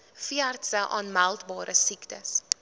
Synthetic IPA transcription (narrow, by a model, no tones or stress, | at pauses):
fiɐrtsəʔɑ̰ːnmælˠtbɑːɾəsiktəs